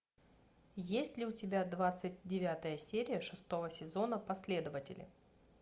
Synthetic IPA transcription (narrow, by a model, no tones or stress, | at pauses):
jesʲtʲlʲɪʊtʲɪbʲad̪vat̪sɨt̚ʲdʲɪvʲat̪əjəsʲeɾʲɪjəʂɨst̪o̞vəsʲɪzo̞nəpɐsʲlʲe̞d̪əvətʲɪ̰lʲɪ̰